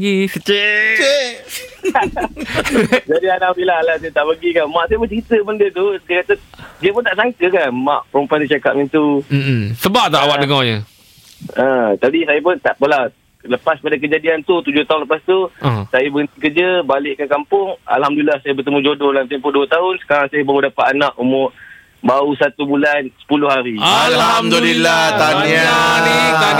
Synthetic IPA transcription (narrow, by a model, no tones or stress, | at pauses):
ɡisət͡ʃe | d͡ʒadianapilaɦalasjt̪aʔpəɡikanmãʔsajəpʊt͡ʃɾit̪əbəndət̪usajakat̪ədiəpʊnt̪aʔsaŋkəkanma̰ʔpəɾumpandit͡ʃaka̰p̚ɲint̪u | səbaʔt̪aawaʔdəŋɔɲə | ãt̪apisajap̬ʊnt̪aʔpəla | ləpaspadakəd͡ʒadiant̪ut̪ud͡ʒʊht̪aʊnləpast̪uasajabəɡənt̪ikərd͡ʒəbalɪʔkankampʊŋa̰lɦamdulilahsajabərt̪əmud͡ʒodʊlamt̪empʊduət̪aʊnsə̥kaɾaŋsajabaudapat̪anaʔumʊʔ | bausat̪ubulansə̥pulʊhɦaɾiaalhamd̪ulilat̪anianit̪a